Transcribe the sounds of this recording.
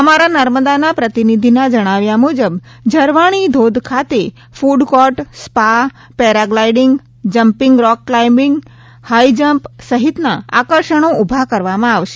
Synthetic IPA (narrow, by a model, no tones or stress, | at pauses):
əmaɾanəɾməd̪anapɾət̪inid̪ʱinad͡ʒəɽ̃aʋjamud͡ʒəbd͡ʒəɾʋaɽ̃id̪ʱod̪ʱkʰat̪e | fuɖkɔʈspa | pɛɾaɡlaiɖɪŋɡ | d͡ʒəmpɪŋɡɾɔkːlajmɪŋɡ | haid͡ʒəmpsəɦit̪naa̰kəɾʃəɽ̃oubʱakəɾʋamãaʋʃe̥